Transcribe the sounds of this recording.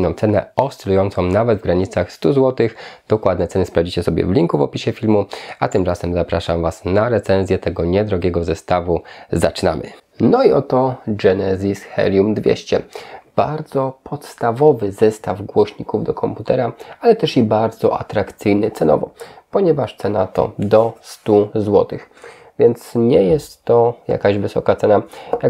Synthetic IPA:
nɔ̃mt̪sɛnɛ̰ɔst̪ɛlujɔnt̪sɔ̃w̃navɛd̪vɡɾaɲit̪saxst̪uzwɔt̪ɘxd̪̥ɔkwad̪nɛt̪sɛnɘspɾavd͡ʑit͡ɕɛsɔbʲjɛ̰vlʲiŋkuvɔpʲiɕɛfʲilmuat̪ɘmt͡ʂasɛmzapɾaʂamvasnaɾɛt̪sɛnzʲjɛt̪ɛɡɔɲɛd̪ɾɔɡʲjɛɡɔzɛst̪avuzat͡ʂna̰mʔɘ̰ | nɔiɔt̪ɔɡɛnɛzʲisxɛ̰ljumd̪vʲjɛ̰ɕt͡ɕɛb̥aɾd̪zɔpʰɔt̪st̪avɔvɘzɛst̪avɡwɔɕɲikuvd̪ɔkʰɔmput̪ɛɾaalɛt̪ɛʂibaɾd̪zɔ̰ʔa̰t̪ɾakt̪sɘjnɘt̪sɛnɔ̰vɔpɔɲɛvaʂt̪sɛna̰t̪ɔ̰d̪ɔst̪uzwɔt̪ɘx | vʲjɛnt̪sɲɛjɛst̪ːɔja̰kaʑvɘsɔkat̪sɛnaja

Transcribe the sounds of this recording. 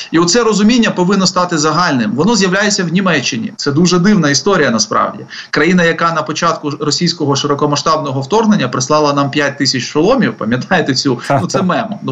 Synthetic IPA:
iɔt̪sɛɾɔzʊmʲinʲːɐpɔʋɪnːɔst̪ɑt̪ɪzɐɦɑlʲnɪmʋɔnɔzjɐwlʲajet͡sʲːɐwnʲimɛt͡ʃːɪnʲḭt̪sɛd̪uʒɛd̪ɪwnɐist̪ɔɾʲijɐnɐspɾɑ̰wdʲḭkɾɐjinɐjɐkɑnɐpɔt͡ʃɑt̪kʊɾɔsʲijsʲkɔɦɔʃɪɾɔkɔmɐʃt̪ɑbnɔɦɔwt̪ɔrɦnenʲːɐpɾɪslˠɑlˠɐnɑmpʲjat̚ʲt̪ɪsʲɐt͡ʃʃɔlˠɔmʲiwpɐmʲjɐt̪ɑjet̪ɛt͡sʲunut̪ɛmɛmɔ

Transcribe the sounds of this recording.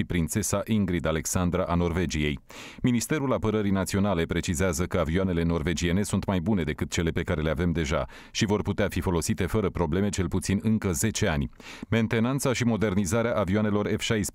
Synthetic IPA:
ipɾint̪se̞saʔiŋɡɾid̪ale̞ksand̪ɾaʔano̞rve̞d͡ʒije̞j | minist̪e̞ɾulapəɾəɾijnat̪sio̞nale̞pɾe̞t͡ʃizeazəkəavioane̞le̞no̞rve̞d͡ʒie̞ne̞sunt̪majbune̞d̪e̞kɨt̪̚t͡ʃe̞le̞pe̞kaɾe̞leave̞md̪e̞ʒa̰ | ʃivo̞rput̪eafifo̞lo̞sit̪e̞fəɾəpɾo̞ble̞met͡ʃe̞lput̪sinɨŋkəze̞t͡ʃe̞anʲme̞nt̪e̞nant̪saʃimo̞d̪e̞rnizaɾeaʔavioane̞lo̞refʃajs

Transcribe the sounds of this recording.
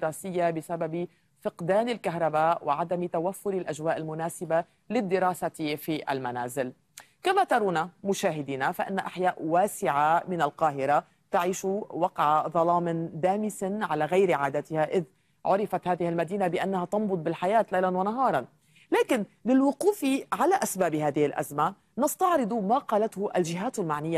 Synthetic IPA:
ɾaːsɪjːabɪsabab | fɪqd̪aːnɪlkaɦɾˤɑbaːʔwʔɪʕad̪amt̪awafːʊɾɪlʔaʒwaːʔɪlmʊnaːsɪba | lɪd̪ːɪɾaːsat̪fiʔa̰lmanaːzɪl | kamat̪ɑɾˤuːnamʊʃaːɦɪd̪iːnafaʔɪnːaʔaħjaːʔwaːsɪʕamɪnalqɑːɦɪɾa | t̪aʕiːʃuwɑqʕaðˤɑlɑːmɪnd̪aːmɪsɪnʕalaɣajɾʕaːd̪at̪ɪhaʔɪð | ʕʊɾɪfat̪haːðɪhɪlmad̪iːnabɪʔanːahat̪ɑmbʊd̪̚ˤbɪlħajaːt̪lejlanwanaɦɑːɾˤɑn | laːkɪnlɪlwʊquːfiʕalaʔasbaːbhaːðɪhɪlʔa̰zma | nɑst̪ɑʕɾɨd̪ˤumaqɑːlat̪hʊʔalʒɪɦaːt̪almaʕnɪjːa

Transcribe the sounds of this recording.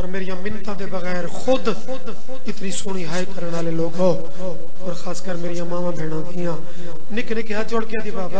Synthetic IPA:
ɔːɾmeːɾɪjãːmɪnt̪ãːd̪eːbəɣɛːɾxʰʊd̪ | ɪt̪niːsʊɽ̃iːɦaːeːkəɾəɳaːleːloːkaoː | pəɾxʰaːskəɾmeːɾijãːmãːʋãːbʱeːɽ̃ãːd̪ɪjãː | nɪknɪkaːd͡ʒoɽkjãːd̪iːbaːb

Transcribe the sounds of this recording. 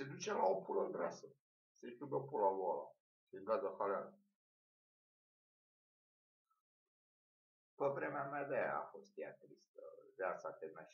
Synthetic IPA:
sed̪ut͡ʃelaopulənɡ̪ɾasə | sekʲubeopulavola̰ | ʃiŋɡazəxalal | pəvɾemeamead̪eja̰a̰fost̪ja̰t̪ɾist̪ə̰veasat̪emaʃ

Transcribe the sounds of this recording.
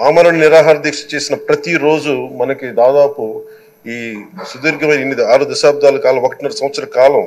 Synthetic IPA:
aːmaːlɐnɐniɾaːɦaːɾɐd̪ikʂɐ̥t͡ʃe̞ːsinɐpɾɐt̪iɾo̞ːd͡ʒumɐnɐkid̪aːd̪aːpu | iːsud̪iɾɡʱɐʋɐjnɐinːid̪iaːɾud̪ɐʃaːb̚d̪aːlɐkaːlɐmokɐ̥ʈinɐɾɐsɐ̃mʋɐt̪sɐɾɐkaːlɐm

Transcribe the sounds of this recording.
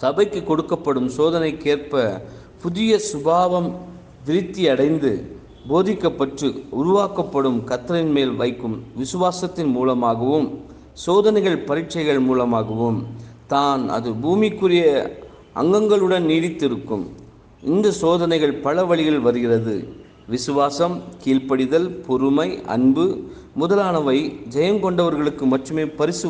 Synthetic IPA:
sɐbɐɪkːɯkːɔɽɯkːɐpːɐɽɯmsoːðɐnɐɪkːeːrpɐ | pʊðɪjɐsʊbaːʋɐm | ʋɪɾɪt̪ːiɐɽɐɪnd̪ɯ̰ | boːðɪkːɐpːɐʈrɯʊɾʊʋaːkɐpːɐɽɯmkɐt̪ːɾɐɪnmeːlʋɐɪkːɯmʋɪsʊʋaːsɐt̪ːɪnmuːlɐmaːɣɐʋɯm | soːðɐnɐɪɣɐɭpɐɾɪʈt͡ʃːɐɪɣɐɭmuːlɐmaːɣɯʋɯmt̪aːnɐ̰ðɯbuːmɪkːɯrɪjɐ | ɐ̰ŋɡɐŋɡɐɭɯɽɐnniːɽɪt̪ːɪɾɯkːɯm | ɪnd̪ɐsoːðɐnɐɪɣɐɭpɐɭɐʋɐɭɪɣɐɭʋɐɾɯɣɪrɐðɯ̰ | ʋɪsɯʋaːsɐmkiːɻpɐɽɪðɐlpɔɾɯmɐɪʔɐ̰nbɯ | mʊðɐlaːnɐʋɐɪd͡ʒɐjɐŋkɔɳɖɐʋɐɾɣɐɭɯkːɯmɐʈrɯmeːpɐɾɪsɯ

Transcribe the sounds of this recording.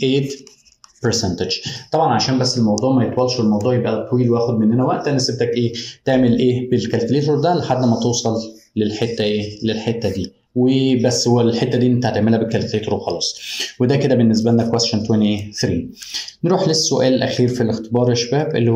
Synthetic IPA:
ʔeːt̪ | peɾsænt̪ed͡ʒt̪ˤɑbʕɑnʕaʃæːmbæsːelmɑwd̪ˤuːʕmæjet̪ˤwɑlːʃelmɑwd̪ˤuːʕjebʔæt̪ˤːwiːlweʔæːxod̪menːenæwæʔt̪ænːæseb̚t̪ækʔeːt̪eʕmelʔeːbelkælt̪leːt̪ɾod̪æleħad̪ːmæt̪owsˤɑlːelħet̪ːæʔeːlelħet̪ːæd̪iː | webæsːhowːælħet̪ːæd̪iːʔenːet̪aʕt̪eʕmelhæbekːælt̪leːt̪ɾoxɑlɑːsˤwed̪æked̪æbenːes̬bælnːækwæst̪ʃont̪wæniʔeːθɾiːneɾuːħlesːoʔæːlelʔæxiːɾfilext̪ebɑːɾˤeʃæbæːbʔḛlː

